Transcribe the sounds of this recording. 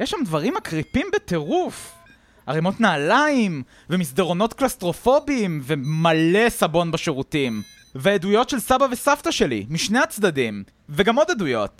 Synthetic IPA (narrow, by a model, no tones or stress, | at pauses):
jeʃamdvaʁimakʁipimbet̪e̞ʁuf | aʁimo̞t̪naːlaim | vemisd̪eʁo̞no̞t̪klast̪ʁo̞fo̞biːmvemale̞sabo̞nbaʃeʁutim | veedujo̞tʃelsabavesaftaʃe̞lḭmiʃne̞jat͡sd̪adim | veɡamo̞dadujo̞̰t